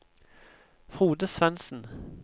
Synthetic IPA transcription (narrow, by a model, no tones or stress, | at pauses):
fʁuːd̪əsʋɛnsn̩